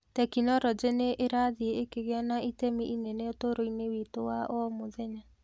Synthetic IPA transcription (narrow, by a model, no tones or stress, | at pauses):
tɛkinɔɾɔd͡ʒeneʔeɾaðieekeɣeɔnaitemiʔineneotoɾoinewitowaʔɔmoðɛɲa